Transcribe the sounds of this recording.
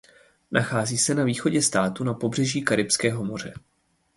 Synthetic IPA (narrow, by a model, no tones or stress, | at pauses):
nʔaxaːziːsɛnaviːxo̞ɟɛst̪aːt̪unapo̞br̝ɛʒiːkaɾɪpskɛːɦo̞mo̞r̝ɛ